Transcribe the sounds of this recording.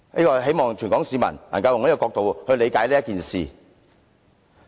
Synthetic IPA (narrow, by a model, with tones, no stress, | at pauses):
niː˥kɔː˧ɦe˨˥jmɔː˨ŋt͡ʃʰyː˨˩nkɔː˨˥ŋsi˨˧mɐ̰˨˩nla̰ː˨˩nkɐ˧wjŋliː˥kɔ˧kɔː˧k̚t̪o˨whɵ˧ɥle˨˧jkaː˨˥jliː˥ɐ˥tkiː˨nsḭː˨